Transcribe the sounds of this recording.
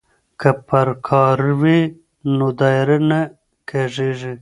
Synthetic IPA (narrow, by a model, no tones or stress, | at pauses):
kapɐɾkʰɑɾwi | nod̪ɑjɾana | kʰeʐeʐi